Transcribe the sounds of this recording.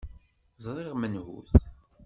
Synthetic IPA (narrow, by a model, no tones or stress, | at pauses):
zˤɾˤiʁmənhṵθ